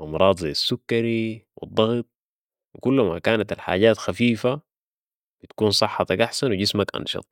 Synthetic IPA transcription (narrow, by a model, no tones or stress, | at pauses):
ʔɑmɾˤɑːd̪ˤzajːasːukːaɾiwɪ̰d̪ˤːɑɣt̪̚ˤ | wikulːma̰kaːnat̪alħa̰ːɟaːt̪xafiːfa | b̥it̪kuːnsˤɨħːɑt̪ɑkʔaħsanwiɟɪsmakʔɑ̰nʃɑ̰t̪ˤ